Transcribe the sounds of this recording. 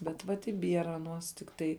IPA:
bʲɛt ˈʋɐt ɪ ˈbʲiɛrɐ ɐˈnuɔs tʲɪkˈtɐɪ

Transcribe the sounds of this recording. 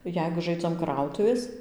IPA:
ˈjɛɪɡʊ ˈʒɐɪd͡zɐm ˈkrɐʊtʊʋʲeːs

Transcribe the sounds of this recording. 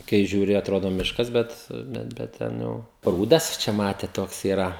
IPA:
kɐɪ ʒʲuːˈrʲɪ ɐtˈroːdoː ˈmʲɪʃkɐs ˈbʲɛt bʲɛt bʲɛt ˈtʲɛn jɛʊ ˈpruːdɐs ˈt͡ʃʲɛ ˈmɑːtʲeːt ˈtoːks iːˈrɐ

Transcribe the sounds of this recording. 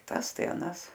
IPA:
ˈtɐs ˈtɐɪ ɐˈnɐs

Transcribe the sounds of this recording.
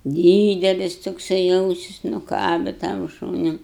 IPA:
ˈdʲiːdʲɛlʲɪs toːkˈsɐɪ ˈɐʊsʲɪs nʊˈkɑːbʲɛ tɐm ˈʃuːnʲʊ

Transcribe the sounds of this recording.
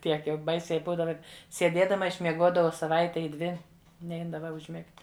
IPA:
ˈtʲiɛk jɛʊ ˈbɐɪsʲɛɪ ˈbuːdɐʋɐ sʲiɛˈdʲiɛdɐmɐ ɪʃʲmʲiɛˈɡuɔdɐʋɐʊ sɐˈʋɐɪtʲɛ ɪ ˈdʲʋʲɪ ˈnʲɛɪdɐʋɐ ʊʒʲˈmʲɪktʲ

